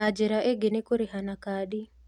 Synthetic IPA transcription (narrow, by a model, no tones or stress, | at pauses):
ad͡ʒeɾaʔeɡenekoɾiɦanakaɗi